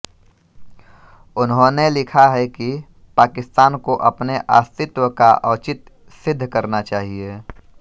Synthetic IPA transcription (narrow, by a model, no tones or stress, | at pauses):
ʊnɦõnelɪkʰaɦɛki | paːkɪst̪aːnkoʔɐpneʔa̰ːst̪ɪt̪wəkaʔɐːt͡ʃɪt̪ | sɪd̪ʱːkɐɾnat͡ʃaːɦieː